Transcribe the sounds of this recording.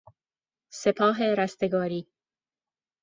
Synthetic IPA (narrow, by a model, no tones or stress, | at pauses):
sepʰɒːɦeɾæst̪eɡɒːɾiː